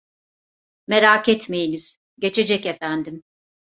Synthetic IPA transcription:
meɾaːkɛt̪me̞jiniz̥ | ɟe̞t͡ʃʰe̞d͡ʒɛcefænd̪im

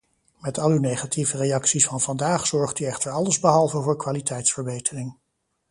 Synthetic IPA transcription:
mɛtʰɑlynejχatʰivərejɑksisfɑnvɑndaːχsɔɹχtyɛχtəɹɑləzbəɦɑlˠvəvʊːɹkʋaːlitʰɛjtsfəɹbejtʰərɪŋ

